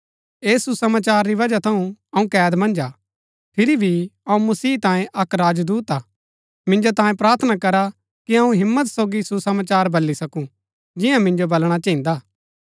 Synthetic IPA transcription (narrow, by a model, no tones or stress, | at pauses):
eːsusɐmaːt͡ʃaːɾːiʋɐd͡ʒat̪ʰɐũɐũkɛːd̪mɐ̃nd͡ʒa | pʰɪɾibʱiɐũmɐsiːt̪ãːjẽʔɐkɾaːd͡ʒd̪uːt̪aː | mɪ̃nd͡ʒot̪ãːjẽpɾaːɾt̪ʰənakɐɾa | kiɐũɦɪmːət̪soːɡisusɐmaːt͡ʃaːɾbɐlːisɐkũ | d͡ʒɪjãmɪ̃nd͡ʒobɐlɽ̃at͡ʃɐ̃ɦĩnd̪aː